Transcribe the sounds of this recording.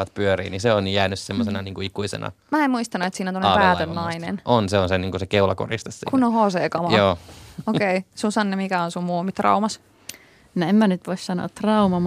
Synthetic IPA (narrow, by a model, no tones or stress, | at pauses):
ɑt̪̚pyørḭːniseonjæːnyssemːosenɑniːŋkuikuisḛnɑ̰mæemuist̪ɑnuet̪siːnæont̪onepæːt̪ønnɑiinḛnonseonseniːŋkusekeulɑko̰rist̪essikunnːohoːseːkɑmɑjoːokeisunsɑnːemikæonsummuːmit̪rɑ̰umɑs | noemmænyt̪ʋoissɑno̰ɑ̰t̪t̪rɑumɑm